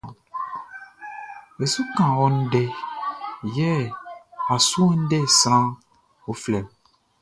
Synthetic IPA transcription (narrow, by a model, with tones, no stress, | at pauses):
e˨su˦kã˨wɔ̃˦n˦de˦ | jɛ˦ | a˨su˦ɔ˦n̩˦de˦˨sɾã˦ | wo˦flɛ˨m